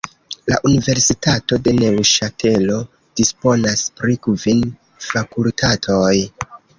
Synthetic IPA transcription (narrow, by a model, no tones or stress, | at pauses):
la̰ʔunive̞ɾsitato̞de̞ne̞wʃatʰe̞lo̞ | d̥ispo̞naspɾikvin | fakultʰatʰo̞j